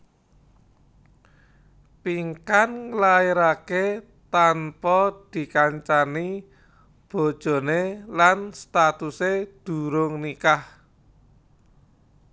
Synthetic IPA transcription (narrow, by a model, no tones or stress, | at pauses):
piŋkanŋəlaiɾake | t̪anpɔd̪̥i̤kaɲt͡ʃani | b̥ɔ̤d̥ʒ̥ɔ̤nelanst̪at̪used̪̥ṳɾʊŋnikah